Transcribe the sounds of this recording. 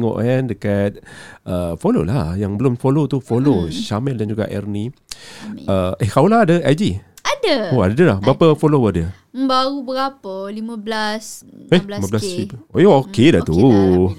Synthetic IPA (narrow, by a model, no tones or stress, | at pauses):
ŋɔ̰ʔkandəkat̪̚ʔəfolo̰lajaŋbəlʊmfolot̪ufoloʃamɛldand͡ʒuɡa̰ʔɛ̰rni | əʔehkawlaadəʔad͡ʒiadəoadəlahbəapəfolowədiə | məmbaɾubəɡapəlimãblaselimãblasiojookedaʔt̪u